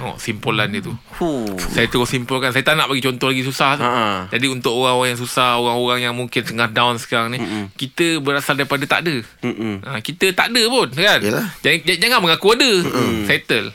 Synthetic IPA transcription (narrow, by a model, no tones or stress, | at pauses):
ŋɔ̰ʔsimpolanit̪u | usajt̪əosimpəlkansajat̪anaʔpaɡit͡ʃɔnt̪ɔhlaɡis̬usah̪d͡ʒadiunt̪ʊʔoɣaŋoaŋjaŋs̬usahoɣaŋoɣaŋjaŋmuŋkɪnsəŋahdawnsə̥kaɾaŋnĩkit̪əbəɾasaldaɾipadat̪a̰ʔdəʔə̃kit̪ət̪a̰ʔdəpʊnkanlad͡ʒad͡ʒad͡ʒaŋaʔməŋakuadəsɛt̪əl